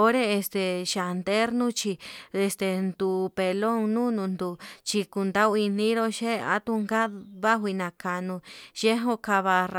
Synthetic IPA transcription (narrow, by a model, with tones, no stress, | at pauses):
o˧˦ɾe˦e˧st̪e˨ʃa˨nd̪e˦ɾnũ˦t͡ʃi˧e˧st̪e˧nd̪u˨pe˧lo˦ŋnũ˦nũ˧nd̪u˨t͡ʃi˧ku˧nd̪a˦wi˧nĩ˦ɾo˧ʃe˦a̰˧˦t̪u˧ŋɡa˦βa˦ɦʷi˧nã˨ka˧nũ˧ʒe˦ɦõ˧ka˧βa˧r